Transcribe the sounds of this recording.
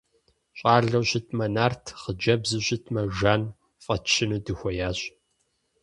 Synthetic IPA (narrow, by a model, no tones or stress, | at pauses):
ɕʼɑːɮɐwɕɪtʰmɐnaːrtʰχəd͡ʒɐbzɨɕʼɪtʰmɐʒaːn | fʼɐt͡ʃʰːɪnudɨxʷɔjaːɕ